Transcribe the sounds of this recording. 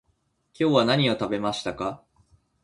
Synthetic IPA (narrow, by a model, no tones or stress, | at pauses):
kʲo̞ːβanaɲ̟io̞t̪abe̞maɕi̥t̪aka